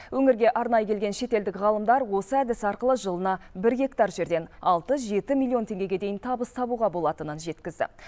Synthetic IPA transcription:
wɵŋɪɾɡʲe̞ʔɑɾnɑjəkʲelɡʲe̞nʃe̞t̪e̞ld̪ɪkʁɑlˠəmd̪ɑɾwo̞səæd̪ɪsɑɾqəlˠəʒəlˠənɑbɪɾɡʲe̞kt̪ɑɾʒe̞ɾd̪e̞nɑlˠt̪əʒe̞t̪ɪmilˠio̞nt̪ʰe̞ŋɡʲe̞ɡʲe̞d̪e̞jɪnt̪ʰɑbəst̪ʰɑbuʁɑbo̞lˠɑt̪ənənʒe̞t̪kʲɪzd̪ɪ̰

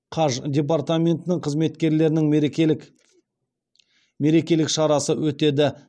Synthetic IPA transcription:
qʰɑʒd̪ʲe̞p̬art̪amʲe̞nt̪ɪnɪŋqʰəzme̞t̪kʲe̞ɾle̞ɾɪnɪŋk | me̞ɾe̞kʲe̞lɪkʃɑɾɑsəwɵt̪e̞d̪ɪ

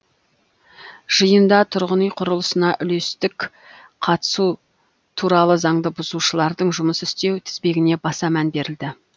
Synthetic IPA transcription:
ʒ̥əjənd̪ɑt̪ʰʊɾʁənijqʰʊɾəlˠəsənɑʔʏle̞st̪ɪk | qʰɑt̪ə̥su | t̪ʰuɾɑlˠəzɑɴd̪əbʊzuʃəlˠɑɾd̪əɴʒʊməsɪst̪e̞wt̪ʰɪ̥zbe̞ɡʲɪne̞bɑsɑmænbe̞ɾɪld̪ɪ

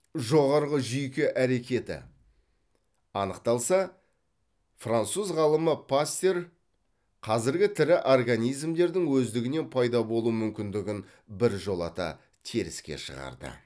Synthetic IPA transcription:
ʒo̞ʁɑɾʁəʒʏjkʲɪʔæɾe̞kʲe̞t̪ɪ̰ | ɑnəqt̪ɑlˠsɑ | frant̪suzʁɑlˠəməpʰast̪e̞r | qʰɑzɪɾɡʲɪt̪ʰɪɾɪʔorɡanijzmd̪e̞ɾd̪ɪŋwɵzd̪ɪɡʲɪne̞npʰɑjd̪ɑbo̞lˠumʏmkʲɪnd̪ɪɡʲɪn | bɪɾʒo̞lˠɑ̰t̪ɑ̰ | t̪ʰiɾɪ̰skʲḛʃə̰ʁɑ̰ɾd̪ə̰

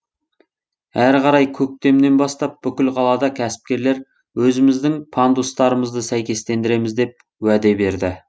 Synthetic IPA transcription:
æɾqɑɾɑjkʲʰɵk̚t̪e̞md̪e̞nbɑst̪ɑp̚b̥ʏkʲɪlˠqʰɑlˠɑd̪ɑkʲʰæsɪ̥p̚kʲe̞ɾle̞ɾ | wɵzɪmɪzd̪ɪŋpʰɑnd̪ust̪ɑɾəməzd̪əsæjkʲe̞st̪e̞nd̪ɪɾe̞mɪzd̪e̞p̚ | wæd̪e̞be̞ɾd̪ɪ

